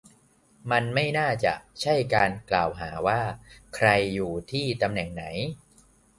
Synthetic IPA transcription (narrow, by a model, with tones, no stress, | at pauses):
ma˧nma˥˩jnaː˥˩t͡ɕa̰˨˩ʔt͡ɕʰa˥˩jkaː˧nklaː˨˩wɦaː˩˦waː˥˩kʰɾa˧jːuː˨˩t̪ʰiː˥˩t̪a˧mnɛ˨˩ŋna˩˦j